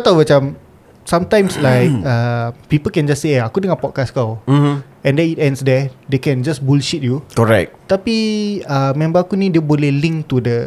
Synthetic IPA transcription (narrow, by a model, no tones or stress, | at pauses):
at̪awmat͡ʃãm | sãmt̪ãjmslajk̚apipəlkɛ̃nd͡ʒaseakudəŋãnpɔt̚kaskaw̩ | ɛ̃ndɛ̃nitɛ̃ndsdɛdekɛ̃nd͡ʒasbulʃit̚jukoɹɛ̰k̚t̪apiamɛ̃mbaakunĩdiəbolɛhlĩŋt̪udə